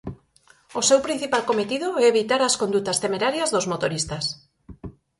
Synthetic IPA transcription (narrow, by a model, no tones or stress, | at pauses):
osewpɾin̟θipalkomet̪ið̞oɛeβit̪aɾaskond̪ut̪ast̪emeɾaɾjazðozmot̪oɾist̪as